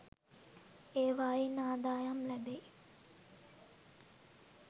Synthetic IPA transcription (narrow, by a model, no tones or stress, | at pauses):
eːʋaːjinaːd̪aːjamlæbe